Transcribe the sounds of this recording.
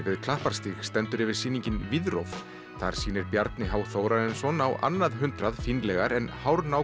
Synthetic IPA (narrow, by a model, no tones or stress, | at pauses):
vɪðkʰl̥ahpaɾ̥st̪ixst̪ɛnt̪ʏɾɛvɪɾ̥siːniɲcɪnvɪðɾo̰wf | θa̰ɾ̥siːnɪɾpjaɾt̪nɪɦawθoːwɾaðɛnsɔnawa̰nːaðɦʏnt̪ɾaðfinlɛɣaɾɛnhawɾnaw